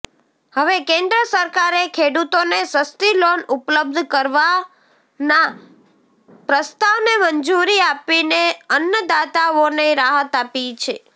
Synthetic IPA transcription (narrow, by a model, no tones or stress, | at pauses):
həʋekẽnd̪ɾəsəɾkaɾekʰeɽut̪onesəst̪ilonupləb̚d̪ʱkəɾʋa | na | pɾəst̪aʋneməɲd͡ʒuɾiapineənjəd̪at̪aoneɾaɦət̪apit͡ʃʰe